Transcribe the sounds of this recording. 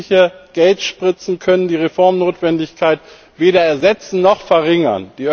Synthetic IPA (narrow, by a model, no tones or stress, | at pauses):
çəɡ̥ɛltʃpʁ̥ɪt͡sn̩kʰœnəndiːʁefɔɐmnoːtv̥ɛndɪçkʰaɪt | v̥eːɾɐɛɐzɛt͡sn̩nɔχfɛɐʁɪŋɐ̰nd̥iː